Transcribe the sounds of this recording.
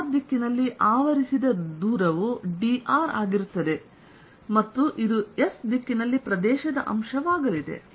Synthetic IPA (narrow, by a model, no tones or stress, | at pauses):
ɾd̪ikːinɐlːiʔaːʋɐɾisid̪ɐd̪uːɾɐʋuɖiʔaːɾaːɡiɾut̪ːɐd̪e̞ | mɐt̪ːuʔid̪uesd̪ikːinɐlːipɾɐd̪ɛːʃɐd̪ɐʔɐ̰mʃɐʋaːɡɐlid̪e̞̰